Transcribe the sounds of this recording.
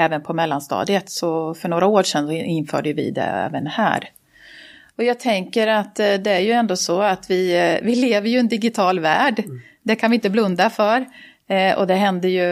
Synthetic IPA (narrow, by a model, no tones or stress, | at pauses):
ɛːvənpʰɔmɛlːanst̪ɑ̰ːd̪ɪət̪sɔfœɳoːɾaoːɾʂɛnsɔɪnːfœ̰ːɖəjəvɪ̰d̪ɛ̰ɛ̰ːvənhæ̰ːɾ | ɔjɑːɡ̚t̪ʰɛŋkəɾat̪d̪ɛæɾjɵɛnd̪oːsɔat̪vɪvɪleːvəɾjɵɛnd̪ɪɡɪt̪ʰɑːlvæːɖ | d̪ɛkʰanvɪɪnt̪əblɵnd̪afœɾ | ɔ̰d̪ɛɦɛnd̪əjɵ